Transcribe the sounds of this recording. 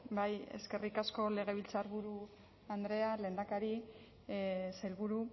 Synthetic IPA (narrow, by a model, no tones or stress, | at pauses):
baje̞̰ske̞rikasko̞le̞ɣ̞e̞β̞ilt͡saɾβuɾu | and̪ɾe̞ale̞ːnd̪akaɾi | sejlβuɾu